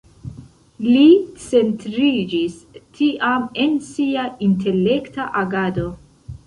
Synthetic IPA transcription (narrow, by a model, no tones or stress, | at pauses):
lit͡se̞ntɾid͡ʒistʰiʔamensiainte̞le̞ktaʔaɡado̞